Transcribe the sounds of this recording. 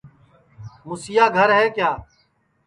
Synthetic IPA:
mʊsɪjaːɡʱəɾɦɛːkjaː

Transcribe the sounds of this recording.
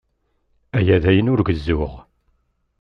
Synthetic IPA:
æjæðæjənʊɾɡəzːʊʁ

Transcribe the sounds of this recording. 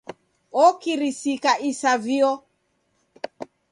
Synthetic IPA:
ɔkiɾisikaʔisaviɔ

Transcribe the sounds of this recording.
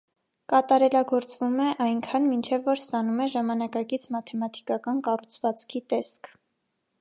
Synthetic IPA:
kɑt̪ɑɾɛlɑɡɔɾt͡svumɛʔɑjŋkʰɑnmint͡ʃʰɛvːɔɾst̪ɑnumɛʒɑmɑnɑkɑkit͡sʰmɑt̪ʰɛmɑt̪ʰi̥kɑkɑnkɑrut͡sʰvɑt͡skʰit̪ɛskʰ

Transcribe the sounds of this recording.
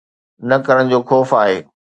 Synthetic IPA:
nɐkɐɾəɽ̃d͡ʑoːxɔːfaːɦeː

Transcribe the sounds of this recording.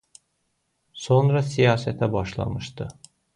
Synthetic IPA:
sonɾasijaːset̪ʰɛbaʃlˠa̰mɯʃt̪ʰɯ

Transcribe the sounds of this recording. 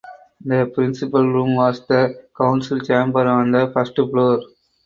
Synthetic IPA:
nd̪ɐpɾɪnsɪpɐlɾũːmʋaːsd̪ɐkɐ̃ʊnsɪlt͡ʃẽːmbəɾãːnd̪ɐfɐsʈploːɾ

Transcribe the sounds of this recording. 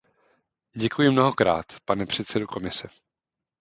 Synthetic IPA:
ɟɛkujɪmno̞ɦo̞kɾa̰ːt̪panɛpr̥ɛt̪sɛdoko̞mɪsɛ

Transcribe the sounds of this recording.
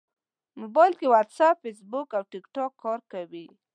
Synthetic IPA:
mobɑjlkewat̪sapfes̬bʊkawʈɪkʈɑkʰːɑɾkawi

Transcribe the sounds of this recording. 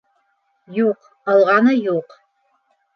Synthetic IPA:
joːq | ɐlʁɑnɐjoːq

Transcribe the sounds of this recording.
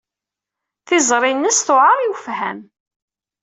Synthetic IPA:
θɪzˤɾˤinːəsθʊʕɑɾˤjwfhæm

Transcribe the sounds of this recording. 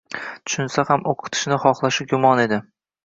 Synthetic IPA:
t̪ʰʊ̥ʃʊnsahamoqʰɨ̥t̪ʰɪ̥ʃnɪχɒχlˠaʃɪɡʊmɒne̞d̪ɪ

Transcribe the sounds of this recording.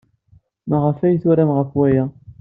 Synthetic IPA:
maʁəfæjθwaɾæmʁəfwæjæ

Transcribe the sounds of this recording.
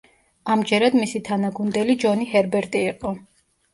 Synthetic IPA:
amd͡ʒɛɾad̪misit̪ʰanaɡund̪ɛlid͡ʒɔnihɛɾbɛɾt̪ʼiːqʼɔ

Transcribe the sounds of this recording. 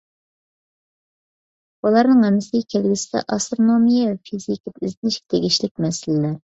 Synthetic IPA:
bulˠɑɾnɨŋhɛmːɪsɪɡʲɛkʲʰelɡʲɪsɪd̪ɛ̰ʔɑst̪ɾonomijɛɛfʰizikʲit̪ɪzɪnɪʃkʲt̪ʰeɡʲiʃlɪk̚ʲmɛsɪlɪlæɾ

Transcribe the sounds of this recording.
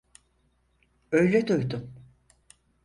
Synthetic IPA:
øjlʲɛd̪ojd̪um

